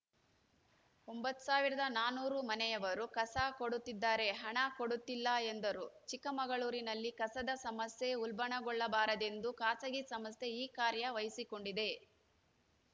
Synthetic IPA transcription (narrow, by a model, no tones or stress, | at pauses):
ombɐt̪ːu̥saːʋiɾɐd̪ɐnaːnuːɾumɐnɛjɐʋɐɾukɐsakoɽut̪ːid̪ːaːɾe̞ɦɐɳakoɽut̪ːilːɐend̪ɐɾut͡ʃikɐmɐɡɐɭuːɾinɐlːikɐsɐd̪ɐsɐmɐsje̞ulbɐɳɐɡɔɭːɐbaːɾɐd̪e̞nd̪ukaːsɐɡisɐmɐst̪e̞iːkaːɾjɐʋɐjisiko̞ɳɖid̪e̞